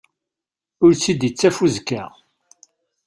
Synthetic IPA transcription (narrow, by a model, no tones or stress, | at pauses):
ʊɾt͡sːid̪it͡sːæfuzkːæ